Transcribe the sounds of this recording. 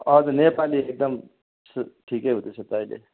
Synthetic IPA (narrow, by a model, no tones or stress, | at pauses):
ʌdʌnepaliek̚d̪ʌm | sʈʰikeɦũt̪et͡sʰʌt̪ailḛ